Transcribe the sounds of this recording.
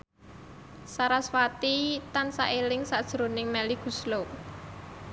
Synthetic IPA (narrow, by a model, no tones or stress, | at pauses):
saɾaswat̪it̪ansaʔelɪŋsad̥ʒ̥əɾonɪŋmɛliɡ̥ṳslo